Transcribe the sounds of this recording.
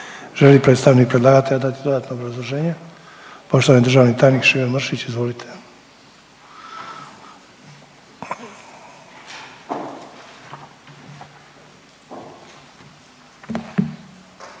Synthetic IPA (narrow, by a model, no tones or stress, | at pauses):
ʒelipɾet̪st̪aʋnik̚pɾed̪lˠaːɡat̪ejad̪at̪id̪o̞d̪aːt̪noːbɾazlˠoʒe̞ːɲe | poʃt̪oanid̪r̩ʒaːʋnit̪aːjnikʃiʋenmr̩ʃit͡ɕizʋo̞lit̪ʰe